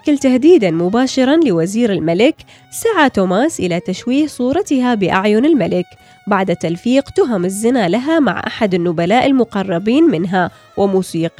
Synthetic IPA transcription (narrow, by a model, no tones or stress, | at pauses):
ʔkɪlt̪ahd̪iːd̪anmʊbaːʃɪɾˤɑnlɪwaziːɾɪlmalɪk | saʕat̪uːmaːsʔɪlat̪aʃwiːhsˤuːɾˤɑt̪ɪhabɪʔaʕjʊnɪlmalɪk | baʕd̪at̪alfiːqt̪ʊɦɪmɪzːɪnalaɦama̰ʕʔa̰ħad̪ɪnːʊbalaːʔɪlmʊqɑrˤːɑbiːnmɪnɦa | wʔɪmuːsiːq